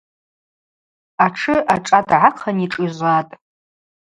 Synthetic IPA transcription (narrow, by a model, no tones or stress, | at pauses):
aʈ͡ʂʰɨʔaʈ͡ʂʼadʕaqʰaniʈ͡ʂʼiʒʷatʼ